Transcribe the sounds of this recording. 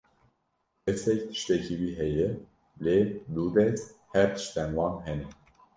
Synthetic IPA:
ʔɛsɛct̪ʰɨ̥ʃt̪ɛcʰiwiːɦɛjɛ | led̪ud̪ɛzhæɾt̪ʰɨ̥ʃt̪ɛnwɑːnɦɛnɛ

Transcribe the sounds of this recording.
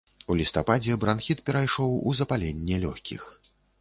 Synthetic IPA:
ulʲist̪apad͡zʲɛbɾanxʲit̪pʲɛɾajʂɔwuzɐpalʲɛnʲːɛlʲɔxʲkʲḭx

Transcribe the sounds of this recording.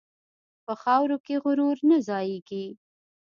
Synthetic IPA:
pəxɑwɾokeɣʊɾuɾnazɑjeɡi

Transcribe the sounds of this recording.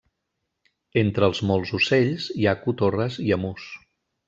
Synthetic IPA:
ent̪ɾəːlˠzmɔlˠzuseʎziakut̪orəziəmus

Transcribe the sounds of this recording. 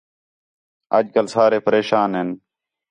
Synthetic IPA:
ə̰d͡ʒkəlsaːɾeːpəɾeːʃaːnɦen

